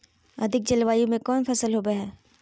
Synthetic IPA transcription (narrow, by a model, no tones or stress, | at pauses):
ɐ̰d̪ʱɪk̚d͡ʒɐlʋaːjõmẽkɔːnfɐsəlɦoːbeɦɛː